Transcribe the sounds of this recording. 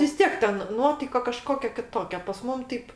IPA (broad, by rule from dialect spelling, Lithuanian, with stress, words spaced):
ʋʲɪs ˈtʲiɛk tʲɛn ˈnuɔtɐɪkɐ kɐˈʃkoːkʲɛ kʲɪˈtoːkʲɛ pɐs ˈmʊm ˈtʲɛɪp